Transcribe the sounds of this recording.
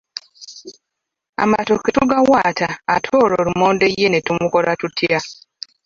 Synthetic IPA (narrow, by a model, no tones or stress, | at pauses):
a̰ma̰tokituɡawaːtʰaːtʰoːɾoːɾumoːnde̞jːenetumuko̞ɾatutʰja